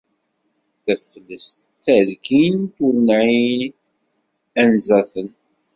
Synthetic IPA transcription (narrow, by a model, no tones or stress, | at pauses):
θəfəlːəst̪ːælkint̪ənʕi | ænzæθən